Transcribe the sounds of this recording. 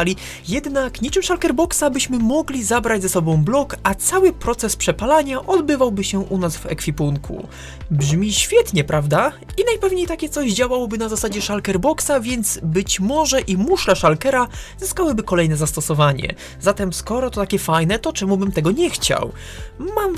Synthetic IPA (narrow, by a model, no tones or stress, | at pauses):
alʲi | jɛd̪nakɲit͡ʂɘmʂalkɛɾbɔksabɘɕmɘmɔɡlʲizabɾad͡ʑʲzɛsɔbɔ̃w̃blɔkat̪sawɘpɾɔt̪sɛspʂɛpalaɲaʔɔd̪bɘvawbɘɕɛʔunasvɛ̰kfʲipuŋkʰṵ | bʐmʲiɕfʲjɛt̪ɲɛpɾavd̪a | inajpɛvɲejt̪akʲɛt̪sɔʑd͡ʑawawɔbɘnazasad͡ʑɛʂalkɛɾbɔksavʲjɛnd̪zbɘt͡ɕmɔʐɛʔimuʂlɛʂalkɛɾazɘskawɘbɘkɔlɛjnɛzast̪ɔsɔvaɲɛ̰ | zat̪ɛmskɔɾɔt̪ɔt̪akʲɛfajnɛt̪ɔt͡ʂɛmubɘmt̪ɛɡɔɲɛxt͡ɕa̰w | mam